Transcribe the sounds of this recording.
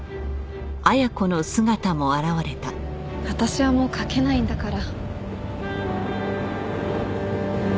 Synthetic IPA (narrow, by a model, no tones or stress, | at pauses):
ajako̞no̞sɨɡat̪amo̞aɾaβaɾe̞t̪a | βat̪aɕiβamo̞ːkʰake̞naĩnd̪akaɾa